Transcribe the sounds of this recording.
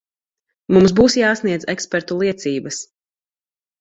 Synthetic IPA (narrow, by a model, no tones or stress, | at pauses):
mums̬buːsjaːsniɛd̪zɛkspɛɾt̪ulˠiɛt̪siːbɐs